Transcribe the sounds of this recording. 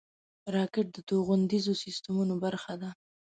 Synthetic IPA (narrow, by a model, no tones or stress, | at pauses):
ɾɑkɪʈ̚d̪ət̪oɣʊnd̪izosist̪amunobaɾxad̪a